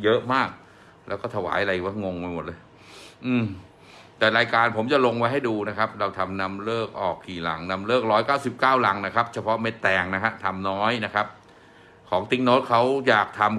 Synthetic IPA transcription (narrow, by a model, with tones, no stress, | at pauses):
jɤ˦˥ʔmaː˥˩k̚ | lɛː˦˥wkɔː˥˩t̪ʰa˧wa̰ː˩˦jʔa˧a˧˨˩wa˦˥˩ŋo˧ŋma˧jmo˨˩t̪̚lɤː˧j | ʔɯː˧˩m | t̪ɛː˨˩ɾaː˧jkaː˧npʰo˩˦mt͡ɕa˨˩lo˧ŋwa˦˥jɦa˥˩jduː˧na˦˥kʰa˦˥p̚ɾa˧wt̪ʰa˧mna˦˥mlɤː˥˩k̚ʔɔː˨˩kkʰːiː˨˩la̰˩˦ŋna˧mlɤː˥˩k̚ɾɔː˦˥jkaː˥˩wsi˨˩p̚kaː˥˩wla˩˦ŋna˦˥kʰa˦˥p̚t͡ɕʰa˧pʰɔ˦˥me˦˥t̪ːɛː˨˩ŋna˦˥kʰa˦˥t̪ʰa˧mnɔː˦˥jna˦˥kʰa˦˥p̚ | kʰɔː˩˦ŋt̪i˦ŋnoː˦˥t̪̚kʰa˦˥wjaː˨˩k̚t̪ʰa˧m